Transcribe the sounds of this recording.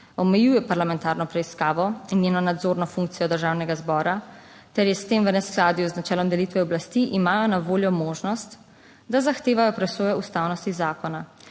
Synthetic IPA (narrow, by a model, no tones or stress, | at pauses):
ɔmɛjujɛpaɾlamɛ̃nt̪aːɾnɔpɾɛiskaːʋɔinjeːnɔnad̪zoːɾnɔfuŋkt̪sijɔd̪əɾʒaːwnɛɡazbɔːɾa | t̪ɛɾjɛst̪eːmʋənɛsklad̪ijuznat͡ʃɛːlɔmd̪ɛlit̪ʋɛɔblast̪iʔimaːjɔnaʋoːljɔmoːʒnɔst̪ | d̪azaxt̪eːʋajɔpɾɛsoːjɛust̪awnɔst̪izaːkɔna